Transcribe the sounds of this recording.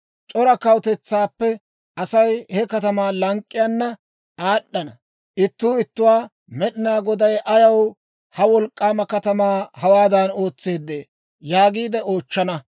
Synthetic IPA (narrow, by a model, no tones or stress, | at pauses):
t͡ʃʼɔɾɐkɐwt̪ɛt͡sːaːpːɛ | ʔɐsɐjhɛkɐt̪ɐmaːlɐŋkʼːɪjaːnːɐ | ʔaːɗːɐnɐ | ʔɪt̪ːuːɪt̪ːʊwaː | mɛɗɪnaːɡɔd̪ɐjʔɐjɐw | hɐwɔlkʼːaːmɐkɐt̪ɐmaːhɐwaːd̪ɐno̞ːt͡sːe̞ːd̪ːeː | jaːɡiːd̪ɛo̞ːt͡ʃːɐnɐ